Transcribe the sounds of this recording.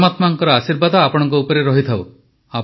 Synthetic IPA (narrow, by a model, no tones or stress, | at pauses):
mat̪maŋkɔɾɔasiɾbad̪ɔapɔɽ̃ɔŋkɔupɔɾeɾɔɦit̪ʰaw | a